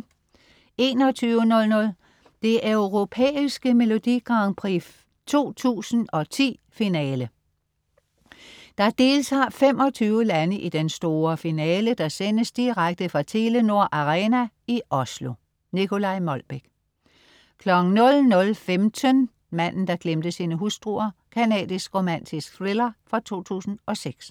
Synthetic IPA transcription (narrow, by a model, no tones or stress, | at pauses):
e̝ːnɒ̽t͡sʰyːʊənɔ̽lnɔ̽l | d̥e̝ʔøʊʁo̝pʰḛːisɡ̥əme̝lo̝d̥iɡ̥ʁɑ̈ŋpʰʁif | t͡sʰo̝̰ːt͡sʰṵːsn̩ɒ̽t͡sʰḭːfinɛːlə | d̥ɑ̈d̥e̝ːlt͡sʰɑ̰̈ːfemɒ̽t͡sʰyːʊəlænəʔid̥ensd̥o̝ːɐfinɛːləd̥ɑ̈senəsd̥iʁaɡ̥̚d̥əfʁɑ̈t͡sʰe̝ləno̝ɐ̰ʔɑʁɛːnæ | iʔɒ̽slo̝ | nikʰo̝lɑ̈ɪmɒ̽lb̥eɡ̥̚ | kʰlɒ̽ɡ̥ŋ̩nɔ̽lnɔ̽lfemt͡sʰən | mæn̰n̩d̥ɑ̈ɡ̥lemd̥əsiːnəɦusd̥ʁuːɐkʰænɛ̰ːd̥ˠisɡ̥ʁo̝mæn̰t͡sʰisɡ̥θʁilɐfʁɒt͡sʰo̝̰ːt͡sʰṵːsn̩ʔɒ̽seɡ̥s